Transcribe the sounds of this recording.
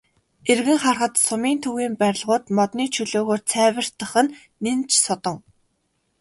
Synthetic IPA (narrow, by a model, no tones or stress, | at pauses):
erɣɘ̆ŋχarχə̆t̪sʊmiːnt̪ʰuɣiːmpæɾʲɪ̆ɮʁʊːt̪mɔt̪niːt͡ɕʰɵɮoːɣoːrt͡sʰæːwə̆r̥t̪ə̆χɘ̆nː | ent͡ɕʰsʊt̪ɞ̆ŋ